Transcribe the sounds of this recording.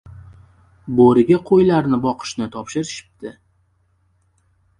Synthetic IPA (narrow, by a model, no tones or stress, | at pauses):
boɾɪɡʲaqʰojlaɾnɪbɒqʰɨ̥ʃnɪt̪ʰɒpʃɪɾɪʃɪ̥p̚d̪̥ɪ